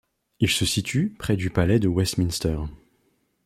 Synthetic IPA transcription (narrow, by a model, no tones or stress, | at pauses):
ilsəsit̪ʰypχɛd̪ypalɛd̪əwɛst̪minst̪œʁ